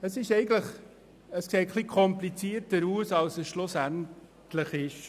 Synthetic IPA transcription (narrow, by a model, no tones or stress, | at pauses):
əsɪʃɛɪɡn̩tləχ | əskseːtχlikʰɔmplit͡siːəɾtəɾuːsɑlsəsʃlʊsæntləχɪʃ